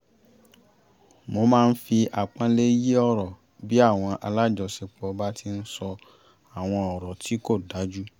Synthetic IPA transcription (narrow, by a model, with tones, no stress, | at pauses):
mo˧mãː˦˧n̩˦fi˧a˨k͡pã˧le˦ji˦ɔ˦ɾɔ˨ | bi˦a˦˨w̃ɔ̃˧ʔa˧la˦d͡ʒɔ˧si˧k͡pɔ˧ba˦ti˧n̩˦sɔ˧ | a˨w̃ɔ̃˧ɔ˨ɾɔ˨tʰi˨˦ko˦˨da˨˦d͡ʒu˦